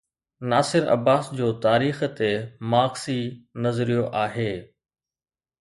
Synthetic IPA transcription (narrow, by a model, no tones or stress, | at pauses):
naːsɪɾɐ̰baːsd͡ʑoːt̪aːɾiːxt̪emaːɣsinɐzɾijoʔaːɦeː